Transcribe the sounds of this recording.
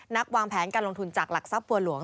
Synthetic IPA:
na˦˥k̚waː˧ŋpʰɛː˩˦nkaː˧nlo˧ŋt̪ʰu˧nt͡ɕaː˨˩k̚la˨˩k̚sa˨˦˥p̚bu˧əlu˨˩˦əŋ

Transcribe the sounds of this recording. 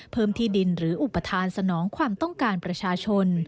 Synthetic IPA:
pʰɤː˥˩mt̪ʰiː˥˩di˧nɾɯː˩˦ʔu˨˩pːa˧t̪ʰaː˧nsa˧nɔː˩˦ŋkʰwaː˧mt̪ɔ˥˩ŋkaː˧npɾa˧t͡ɕʰaː˧t͡ɕʰo˧n

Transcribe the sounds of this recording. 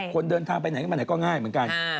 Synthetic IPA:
kwə˧nɗəː˧nt̪ʰaː˧ŋpa˧ɲa˨˩˨m˧˨˩kɔː˧ŋaː˧jmɨ˨˩ə˦n˦ka˧˩n

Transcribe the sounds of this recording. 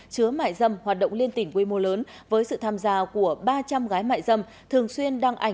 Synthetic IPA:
t͡ɕɨ˨˦əma̰ː˧˨jzə˧mhwaː˨˩t̚ɗə̰˧˨wŋ͡mli˧ənt̪ï˧˩ŋ̟kwi˧mo˧ləː˨˦n | vəː˨˦jsɨ̰˧˨t̪ʰaː˧mzaː˧ku˧˩əɓaː˧t͡ɕa˧mɣaː˨˦jma̰ː˧˨jzə˧m | t̪ʰɨ˨˩əŋswi˧ənɗaː˧ŋʔa˧˩

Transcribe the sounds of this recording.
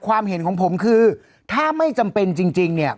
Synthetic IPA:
kʰwaː˧mɦe˩˦nkʰɔː˩˦ŋpʰo˩˦mkʰɯː˧ | t̪ʰaː˥˩ma˥˩jt͡ɕa˧mpe˧nt͡ɕi˧ŋt͡ɕi˧ŋni˥˩ɐ

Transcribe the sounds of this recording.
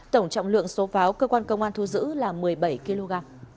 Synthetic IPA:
t̪ə˧˩wŋ͡mt͡ɕɔ̰˧˨wŋ͡mlɨ̰˧˨əŋso˨˦faː˨˦wkəː˧kwaː˧nkə˧wŋ͡mʔaː˧nt̪ʰu˧˩zɨ̰˧˥laː˨˩mɨ˨˩əjɓə˧˩jki˧lo˧ɣaː˧m

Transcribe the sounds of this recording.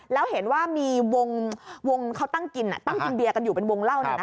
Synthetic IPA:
lɛː˦˥wɦe˩˦nwaː˥˩miː˧wo˧ŋwo˧ŋkʰa˦˥wt̪a˥˩ŋki˧nʔa̰˨˩t̪a˥˩ŋki˧nbi˧ɐka˧njuː˨˩pe˧nwo˧ŋla˥˩wna˦˩˦na˦˥

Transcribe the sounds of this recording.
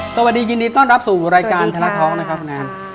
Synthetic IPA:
sa˧wa˨˩diː˧ji˧ndiː˧t̪ɔː˥˩nɾa˦˥p̚suː˨˩ɾaː˧jkaː˧nt̪ʰa˧ɾa˦˥t̪ʰɔː˦˥ŋ̚na˦˥kʰa˦˥p̚ʰːu˧nʔaː˦˧˥n

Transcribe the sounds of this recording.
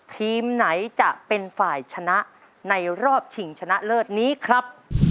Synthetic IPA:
t̪ʰiː˧mna˩˦jt͡ɕa˨˩ʔpe˧nfaː˨˩jt͡ɕʰa˧na˦˥ʔ | na˧jɾɔː˥˩p̚t͡ɕʰi˨˩ŋt͡ɕʰa˧na˦˥ʔlɤː˥˩t̪̚niː˦˥kʰɾa˦˥p̚

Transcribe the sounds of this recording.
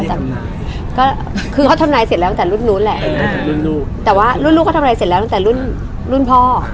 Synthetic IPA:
t̪ɛ˨˩ | kɔː˥˩ | kʰɯː˧kʰɔː˥˩t̪ʰa˧mlaː˧jse˨˩t̚lːt̪a˥t̪ːɾu˥˩nːu˦˥nlɛ˨˩ʔa˧˩˧lu˦˥˩nuː˥˩t̪ɛː˨˩waː˥˩ɾu˥˨nluː˥˩kɔː˥˩t̪ʰna˧jse˨˩t̚lɛ˦t̪ŋt̪ːlu˥˩n | lu˥˩npʰɔː˥˩

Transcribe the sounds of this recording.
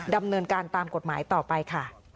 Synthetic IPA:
da˧mnɤː˧nkaː˧nt̪aː˧mko˨˩t̪̚maː˩˦jt̪ɔː˨˩pa˧jkʰa˥˩

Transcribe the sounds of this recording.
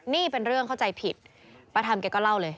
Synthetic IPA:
niː˥˩pe˧nɾɯ˥˩əŋkʰa˥˩wt͡ɕa˧jpʰi˨˩t̪̚ | pa˧t̪ʰa˧mkɛ˧kɔː˥˩la˥˩wlɤː˧j

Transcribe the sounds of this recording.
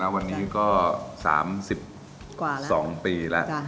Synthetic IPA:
a˦˥wa˧nːiː˦˥kɔː˥˩sa̰ː˩˦msi˨˩p̚ | sɔː˩˦ŋpiː˧lɛ̰˦˥ʔ

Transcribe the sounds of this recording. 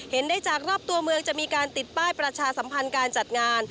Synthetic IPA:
he˩˦ndaː˥˩jt͡ɕaː˨˩k̚ɾɔː˥˩p̚t̪u˧ɐmɯ˧əŋt͡ɕa˨˩ʔmiː˧kaː˧nt̪i˨˩t̪̚paː˥˩jpɾa˧t͡ɕʰaː˧sa˩˦mpʰa˧nkaː˧nt͡ɕa˨˩t̪̚ŋaː˧n

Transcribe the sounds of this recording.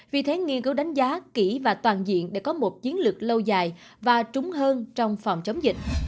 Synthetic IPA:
vi˨˩t̪ʰe˨˦ŋi˧ənkɨ˨˦˥wɗa˨˦jŋ̟zaː˨˦ki˧˩vaː˨˩t̪waː˨˩nzḭ˧˨ənɗḛ˧˩kɔ˨˦mo˨˩t̚t͡ɕi˨˦ənlɨ˨˩ək̚lə˧wzaː˨˩jvaː˨˩t͡ɕʊ˨˦ŋ͡mɦəː˧nt͡ɕɔ˧wŋ͡mfɔ˨˩wŋ͡mt͡ɕə˨˦wŋ͡mzï˨˩k̟̚

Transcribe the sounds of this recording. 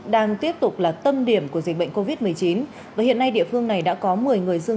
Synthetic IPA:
ɗaː˧ŋt̪i˦˥əp̚t̪ʊ˨˩k͡p̚laː˨˩t̪ə˧mɗi˧˩əmku˧˩əzi˨˩k̟̚ɓə̰˧˨ŋko˧vi˦˥t̚mɨ˨˩əjt͡ɕi˨˦n | vaː˨˩hḭ˧˨ənːa˧jɗḭ˧˨əfɨ˧əŋna˨˩jɗa̰ː˧˥kɔ˨˦mɨ˨˩əjŋɨ˨˩əjzɨ˧ə

